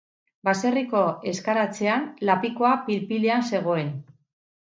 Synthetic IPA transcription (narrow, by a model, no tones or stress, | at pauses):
base̞riko̞e̞skaɾat͡se̞anlapiko̞apilpile̞anse̞ɣ̞o̞e̞n